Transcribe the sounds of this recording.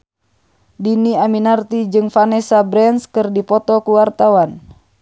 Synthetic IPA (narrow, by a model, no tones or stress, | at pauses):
diniaminart̪id͡ʒɨŋfanɛsabɾɛnskɨrdipɔt̪ɔkuwart̪awan